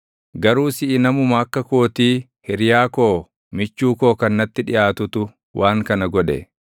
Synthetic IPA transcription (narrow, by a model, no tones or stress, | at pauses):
ɡɐɾuːsɪʔɪnɐmʊmɐɐkːɐkoːt̪iː | hɪɾjaːkoː | mɪt͡ʃːuːko̞ːkɐnːɐt̪ːɪᶑɪjʔaːt̪ʊt̪ʊ | wʔaːŋkɐnɐɡɔᶑɛ̰